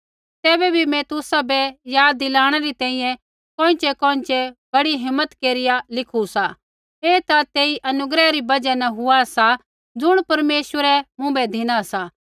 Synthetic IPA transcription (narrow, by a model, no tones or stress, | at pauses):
t̪ɛːbɛbʱimɛ̃t̪ʊsabɛjaːd̪ːɪlaːɽ̃ɛɾit̪ɛ̃ːĩjɛ̃ | kõːɪ̃t͡ʃɛkɔ̃ːɪ̃t͡ʃɛbɐɽiɦɪmːət̪keːɾɪjalɪkʰusa | eːt̪at̪eːiʔɐnʊɡɾɛɾibɐd͡ʒɛnɛɦʊasa | d͡zʊɽ̃pɐɾmeːswəɾɛmʊ̃bɛd̪ʱɪɽ̃asa